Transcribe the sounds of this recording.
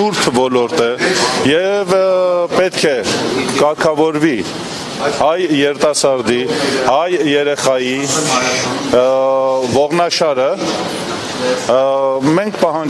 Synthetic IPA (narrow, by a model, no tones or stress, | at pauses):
uɾt̪ʰvɔlɔɾt̪əjɛvpɛt̪kʰɛkɑɾkʰɑvɔɾvi | hɑjːɛɾt̪ɑsɑɾd̪ihɑjːɛɾɛχɑji | vɔʁnɑʃɑɾə | mɛŋkʰpɑɦɑn